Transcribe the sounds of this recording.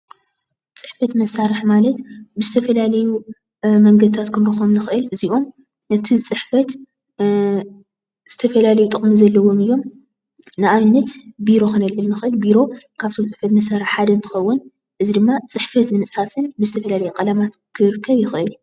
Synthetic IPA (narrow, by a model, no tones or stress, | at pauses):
t͡sʼɨħfɐt̪mɐsːaɾɨħmalɐt̪bɨzɨt̪ʰɐfɐlalɐju | mɐŋɡɐd̪ɨt̪ʰat̪kʰɨnɾɨxomnɨxɨʔɨlɨziʔo̞m | ɨt̪ʰit͡sʼɨħfɐt̪ | z̥ɨt̪ʰɐfɐlalɐjut̪ʼɨχʼmizɐlːɐwo̞mɨjːo̞m | nɨʔaβɨnːɐt̪biɾo̞xɨnɐlːɨlnɨxʔɨlbiɾo̞ | kʰaβt̪ʰo̞mt͡sʼɨħfɐt̪mɐsaɾɨħħad̪ɐnt̪ʰɨ̥xɐwːʊn | ʔɨzid̪ɨmːat͡sʼɨħfɐt̪nɨmɨt͡sʼħafɨnbɨzɨt̪ʰɐfɐlalɐjukʼɐlamat̪kʰɨɾɨkʰːɐβjɪxɨʔɨl